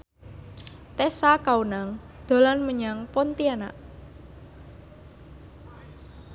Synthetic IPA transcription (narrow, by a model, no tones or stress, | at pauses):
t̪ɛsakaunaŋ | d̪̥o̤lanməɲaŋpɔnt̪iana̰ʔ